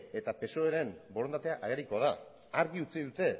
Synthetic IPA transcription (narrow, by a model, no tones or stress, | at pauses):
e̞t̪ape̞so̞eɾe̞mboɾo̞nd̪at̪e̞aʔaɣeɾiko̞aða | aɾɣiut͡siðut̪e̞